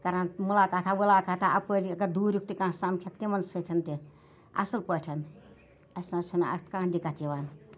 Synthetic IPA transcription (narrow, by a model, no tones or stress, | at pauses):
kɐɾɐnmulaːkat̪ʰaʋulaːkat̪ʰaʔɐpəɾiɐɡɐd̪uːɾjuk̚t̪ikãːɦsamkʰɐt̪̚t̪imɐnsət̪ʲʰɐnt̪i | ɐ̰sɐlpəʈʰɐn | ɐsʲnat͡ʃʰinɐ̰kãːɦd̪ikɐt̪iʋaːn